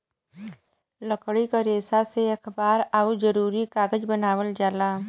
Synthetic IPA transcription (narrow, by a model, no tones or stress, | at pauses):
ləkɽikaɾeːsaseekʰbaːɾaːud͡ʒəɾuːɾikaːɡəd͡ʒbənaːwəld͡ʒaːlaː